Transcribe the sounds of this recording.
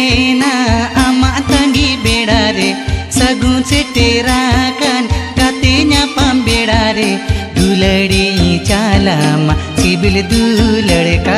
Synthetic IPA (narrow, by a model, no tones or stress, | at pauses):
naamaʔt̪ɐŋɡibeɽaɾesəɡũseʈeɾakankat̪eɲapambeɽaɾed̪uləɽeĩt͡ʃalamasibild̪uləɽeka